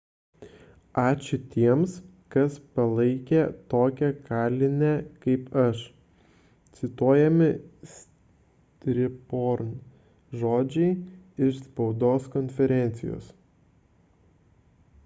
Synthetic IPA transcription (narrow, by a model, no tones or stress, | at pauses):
ɑːt͡ʃʲʊt̪ʲiɛms | kɐspɐlˠɐɪkʲɛt̪oːkʲɛkɑːlʲɪnʲɛkɐɪpɐʃ | t̪sʲɪt̪uɔjɛmʲɪsʲ | t̪ʲɾʲɪpoːɾn | ʒoːd͡ʒʲɛɪɪʃspɒʊd̪oːskɔnʲfʲɛɾʲɛnʲt̪sʲɪjo̰ːs